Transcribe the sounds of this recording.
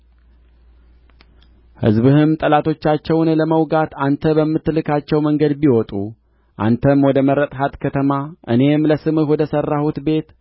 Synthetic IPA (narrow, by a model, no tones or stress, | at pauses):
hɨ̰zbɨhɨmt̪ʼəlat̪ʰo̞t͡ʃːat͡ʃːɛwnləməwɡat̪ant̪ʰəbəmːɨt̪ːlɨkʰat͡ʃːɛwməŋɡəd̪biwɔt̪ʼu | ʔa̰nt̪ʰəmwɔd̪əməɾət̪ʼhat̪kʰət̪ʰəmaʔɨ̰ne̞mləsɨmɨhwɔd̪əsərːahut̪be̞t̪